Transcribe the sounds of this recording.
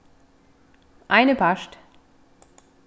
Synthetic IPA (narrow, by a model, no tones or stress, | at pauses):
ʔaɪnəpʰaʃt